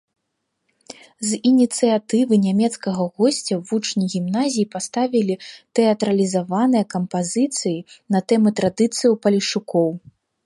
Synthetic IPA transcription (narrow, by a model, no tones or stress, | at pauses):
zinʲit̪sɨjat̪ɨvɨnʲamʲɛt̪skɐɣɐɣɔsʲt͡sʲɐvut͡ʂnʲiɣʲimnazʲijipast̪avʲilʲit̪ɛɐt̪ɾɐlʲizavanɨjɐkɐmpazɨt̪sɨjinɐt̪ɛmɨt̪ɾad̪ɨt̪sɨjiwpɐlʲiʂukɔw